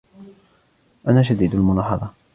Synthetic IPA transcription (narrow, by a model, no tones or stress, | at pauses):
ʔanaːʃ̬ad̪iːd̪almʊnɑːħɑðˤɑ